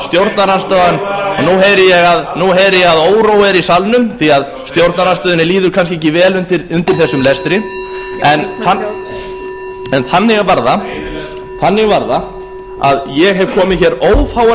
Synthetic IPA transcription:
st̪jowɾt̪naɾanst̪œðanɔnuɦejɾɪjɛɣaðnuɦejɾɪjɛɣaðoːwɾowɛɾisalnʏmθiað | st̪jowɾt̪naɾanst̪œːðʏnɪliːðʏɾkʰanskcɪe̥cːɪvɛːlʏnt̪ɪɾʏmt̪ɪɾ̥θɛsːʏmlɛst̪ɾɪ | ɛnθa | ɛnθanːɛɣavaɾða | θanːɛɣavaɾða | a̰ðjɛɣɦɛvkʰɔːmɪðçɛːɾoːwfaːwa

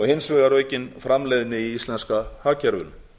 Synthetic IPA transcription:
ɔɣhɪnsvɪːɣaɾœːɥcɪnfɾamlɛjðnɪiist̪lɛnskahaːcɛɾvʏ̰l

